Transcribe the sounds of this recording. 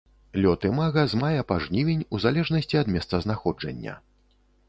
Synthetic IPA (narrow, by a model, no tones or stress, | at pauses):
lʲɔt̪ɨmaɣɐzmajɛpaʐnʲivʲinʲuzalʲɛʐnɐsʲt͡sʲiɐd̪mʲɛst̪sɐznaxɔd͡ʐɐ̰nʲːɐ̰